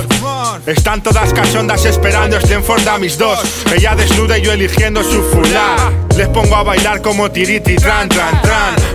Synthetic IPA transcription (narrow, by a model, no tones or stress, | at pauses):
e̞st̪ant̪oðaskaso̞nd̪ase̞spe̞ɾand̪oest̪eɱfoɾt̪amizðo̞seʎaðe̞znuðeʝoelixje̞nd̪osufulale̞spo̞ŋɡoaβajlaɾko̞mo̞t̪iɾit̪it̪ɾant̪ɾant̪ɾan